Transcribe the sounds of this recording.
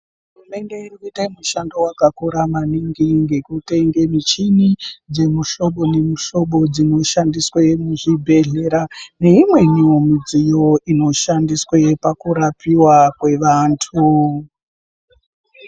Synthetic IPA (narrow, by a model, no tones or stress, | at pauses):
ɦurume̞nde̞irkite̞muʃando̞wakakuɾamaniŋɡiŋɡe̞kute̞ŋɡe̞mit͡ʃinid͡ze̞muʃo̞ɓo̞ne̞muʃo̞ɓo̞d͡zino̞ʃandiswemuʐibʱe̞ɮe̞ɾane̞imwe̞ɲiomid͡zijo̞ʔino̞ʃandiswepakuɾapiwakwe̞ʋaːntʰu